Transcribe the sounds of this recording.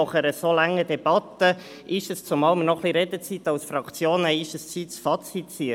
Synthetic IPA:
ɔχəɾəsoːlɑŋːədɛbɑt̪ːə | ʔɪʃəst͡sʊmɑːlmənɔχliɾeːdət͡sit̪ɑʊsfɾɑkt͡sjoːnəɪʃəst͡siːtt͡sfɑt͡sitiə

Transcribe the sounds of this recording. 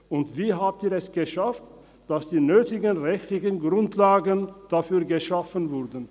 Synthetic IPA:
ʔʊntv̥iːɦaːp̚tiːɐɛsɡ̥əʃaft | d̥asd̥iːnøːtɪɡənʁɛçtlɪçənɡʁʊntlaːɡənd̥afyːɐɡəʃafənvʊʁdn̩

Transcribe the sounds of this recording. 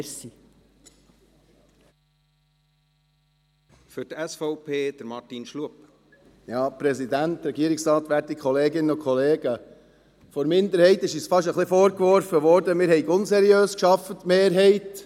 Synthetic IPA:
si | fʏtɛsfɔʊpʰeːd̥̪əɾmɑtinʃluəp | jɑːpɾɛsid̪ænt̪ɾɛɡiəɾiksɾɑːt̪ʋæɾtikʰχɔleːɡɪnːəʊkʰχɔleːɡə | fɔɾmɪnd̪əɾhɛɪt̪ɪʃisfɑʃ̬əχlɪfɔːɾkʋɔɾfəʋɔɾdəmɪːɾhɛɪɡʊnsɛɾiøːskʃɑfət̪meːɾɦɛɪt

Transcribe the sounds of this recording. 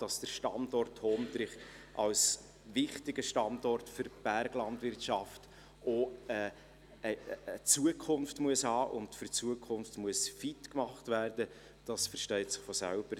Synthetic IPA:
d̥ɑsd̥əɾʃtɑndɔrthoːmdɾɪχ | ʔɑls | vɪχtɪɡəʃtɑndɔrtfʏɾb̥ærɡlɑndvʋɪrtʃɑft | ɔɛː | ət͡suəkʰʊnftmuəshɑːʔʊntfʏrt͡suəkʰʊnftmuəsfitkmɑχtvæːrd̥ə | d̥ɑsfəɾʃtœɪtsɪ̥χfɔsæ̰lb̥əɾ

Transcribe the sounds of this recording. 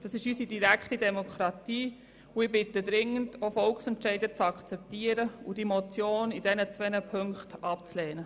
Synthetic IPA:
d̥ɑsɪʃysidiɾækχtidɛmokʰɾɑtiː | ʊɪbɪtədɾɪŋːəndofɔlksɛntʃɛɪdət͡sɑkt͡sɛp̚tiəɾəud̥imot͡sjoːnid̥ɛnət͡sʋɛnəpʰøŋkχtɑpt͡slɛːnə

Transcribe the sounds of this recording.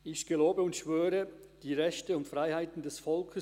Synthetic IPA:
ɪçɡ̥əloːbəʊntʃv̥øːɾə | d̥iːʁɛçtəʊntfʁaɪhaɪtn̩dɛsfɔlkʰə

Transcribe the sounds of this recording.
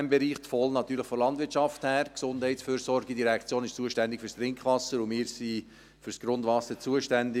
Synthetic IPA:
mbɛɾiːχt̪fɔlnɑt̪yːɾləχfɔlɑndʋɪtt͡ʃɑfthæːɾksʊnd̥hɛɪtsfyːɾsɔɾɡidiɾɛkt͡sjoːnɪʃt͡suəʃtænd̪ɪkfyɾst̪rɪŋkʰχʋɑsəɾʊmɪːɾsi | fʏɾsɡ̥ɾʊndʋɑsət͡suəʃtændɪ

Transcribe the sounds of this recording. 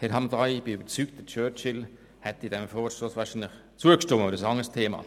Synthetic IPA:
hɪɾhɑmdʁaɪb̥ɪybəɾt͡syːkt̚d̥ət͡ʃœːt͡ʃɪl | hɛtɪdɛmfɔːʃtosvaːʃinlɪχ | t͡suəkʃtʊməədəsɑŋəstʰeːma̰ː

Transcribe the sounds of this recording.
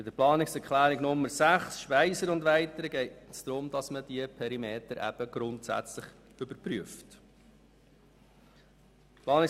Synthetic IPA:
bɪdəɾplɑːnɪksɛɾkχlæːɾɪɡnʊmːəɾsæχsʃpæɪsəɾʊndʋæɪtəɾəɡɛɪtsd̥̪ɾʊmd̥ɑsməd̥iəpʰɛɾimeːtəɾʔæ̰b̥əɡ̥ɾʊntsæ̰t͡sləχ | ʏbəɾpɾyəft | plɑːnɪ

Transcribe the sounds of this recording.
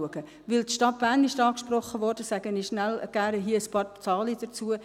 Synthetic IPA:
uəɡ̥ə | ʋɪltʃtɑt̚b̥æːnɪʃtɑːkʃprɔχəʋɔɾd̥əsæɡ̥əniʃnælɡ̥æɾəɦiəəspɑːɾt͡sɑːlid̥ət͡suə

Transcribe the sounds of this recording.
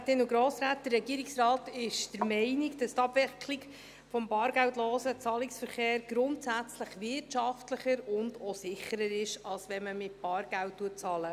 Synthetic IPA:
tɪnuɡɾoːsɾæːt̚d̥̪ərɛɡiːəɾiksrɑːtɪʃd̥əɾmɛɪnɪɡd̥ɑst̪ɑbvɛkʰliɡ | fɔmbɑːɾɡæwtlɔːsət͡sɑːlɪksfəɾχeːɾɡ̥ɾʊntsæt͡sləχʋɪrtʃɑftləχəɾʊndɔsɪχəɾəɾɪʃɑlsʋɛməmɪt̚b̥ɑːɾɡ̥æwtːuət̚t͡sɑːlə

